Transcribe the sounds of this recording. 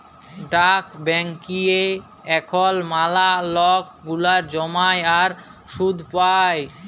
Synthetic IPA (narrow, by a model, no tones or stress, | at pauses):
ɖakbɛŋkie | ɛkʰɔlmalalɔk̚ | ɡulaɾd͡ʑɔmajaɾ | ʃud̪ʱpaj